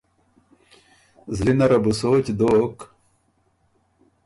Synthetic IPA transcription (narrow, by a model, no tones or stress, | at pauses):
zlinɐɾɐbusoːt͡ɕd̪oːk